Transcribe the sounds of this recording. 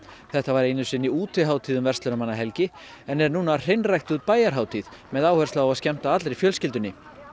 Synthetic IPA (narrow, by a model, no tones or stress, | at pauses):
θɛht̪avaɾejnʏsɪnːiuːt̪ɪɦaːwt̪ʰiːðʏmvɛrst̪lœɾamanːaɦɛlcɪ | ɛnɛɾnuːnar̥ejnrajxt̪uðt̪̚paːjaɾ̥ɦaːwt̪ʰiːðmɛðaːwhœɾ̥saawaðscɛm̥t̪aat̪lɾefjœlscɪlt̪ʏnːɪ